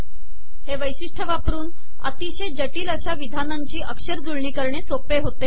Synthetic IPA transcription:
heʋəjɕiʂʈʰəʋapɾuːn | ə̰t̪iɕed͡ʑəʈiːləɕaʋid̪ʱanaɲt͡ɕiːʔəkʂəɾd͡zuɭɳiːkəɾɳesopeɦot̪e

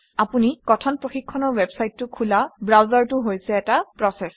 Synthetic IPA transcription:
apunikɔtʰɔnpɹoxikʰːɔnɔɹwɛbsajtːʊkʰulabɹawzaɹtʊɦojsɛːtapɹɔsɛs

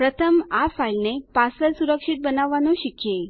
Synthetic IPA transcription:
pɾət̪ʰəmafailnepasəlsuɾəkʂiʈ̪̚bənaʋanoɕikje

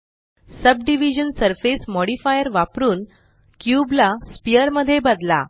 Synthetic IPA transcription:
səbɖiʋid͡ʑənsəɾfesmɔɽifajəɾʋapɾuːn | kjublaspijəɾməd̪ʱːjebəd̪la̰

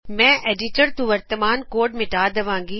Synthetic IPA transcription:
mɛ̃ːʔeːɖiʈəɾt̪uʋəɾt̪əmaːnkoːɖmɪʈaːd̪ɐʋãːŋɡiː

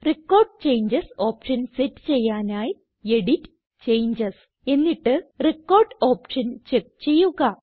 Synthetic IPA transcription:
rekːo̞ːrɖt͡ɕe̞jɲd͡ʑɐso̞ːpʂɐnsetːɨ̥t͡ɕe̞jːaːnaːj | e̞ɽitː | t͡ɕe̞jɲd͡ʑɐs | e̞nːiʈːɨrekːo̞ːrɖo̞ːpʂɐnt͡ɕek̚t͡ɕe̞jːuɣɐ

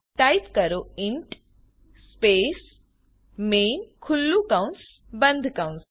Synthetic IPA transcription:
ʈɐjpkɐɾoiɳʈ | speːs | meːnkʰulːukɐwns | bɐnd̪ʱkɐwns

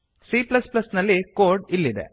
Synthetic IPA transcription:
siːplɐsplɐsnɐlːikoːɾɖilːid̪ḛ

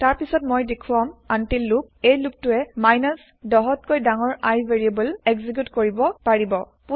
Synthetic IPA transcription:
taɹpisɔtmojdekʰuwamantilːuk̚ejluk̚tʊɛmajnas | dɔɦɔtkojdaŋɔɹajveɹiebəleɡzik̬jutkoɹibɔpaɹibɔ | pu

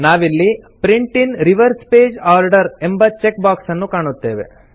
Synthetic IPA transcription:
naːʋilːipɾiɳʈinɾiʋɐɾspeːd͡ʒaːɾɖɐɾe̞mbɐt͡ʃek̚baːksɐnːukaːɳut̪ːe̞ːʋe̞̰

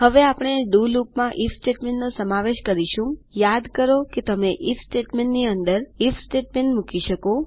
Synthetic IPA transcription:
ɦəʋeapɳ̃eɖulukmãʔifsʈeʈmẽɳʈnosəmaʋeʃkəɾiʃũjad̪kəɾoket̪əmeʔifsʈeʈmeɳʈniənd̪əɾifʰsʈeʈmeɳʈmukiʃəko

